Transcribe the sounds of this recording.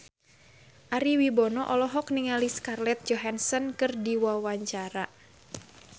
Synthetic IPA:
ʔaɾiwibɔnɔʔɔlɔɦɔk̚niŋaliskarlɛt̪̚d͡ʒɔɦansɔnkɨrdiwawaɲt͡ʃaɾa

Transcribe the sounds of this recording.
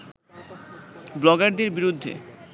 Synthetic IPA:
blɔɡaɾd̪eɾbiɾud̪ʱːḛ

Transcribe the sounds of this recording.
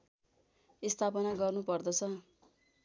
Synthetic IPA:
ist̪ʰapʌnaɡʌrnupʌrd̪ʌt͡sʰʌ

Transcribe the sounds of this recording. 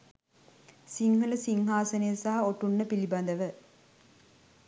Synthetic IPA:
siŋɦuləsiŋɦaːsənejəsaɦɐoʈunːəpiliband̪əʋə

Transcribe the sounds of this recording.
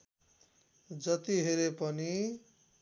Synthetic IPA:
d͡zʌt̪iɦeɾepʌni

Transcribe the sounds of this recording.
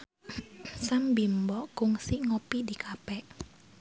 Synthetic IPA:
sambimbɔkʊŋsiŋɔpidikʰapɛʔ

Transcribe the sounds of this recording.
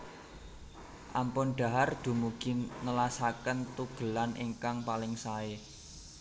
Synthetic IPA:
ʔampʊnɖ̥a̤ɦard̪̥ṳmuɡ̥inəlasakənt̪uɡ̥ə̤lanʔiŋkaŋpalɪŋsae

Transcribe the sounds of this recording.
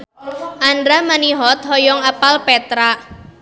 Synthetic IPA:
ʔanɾamaniɦɔt̪̚hɔjɔŋapalpɛt̪ɾa

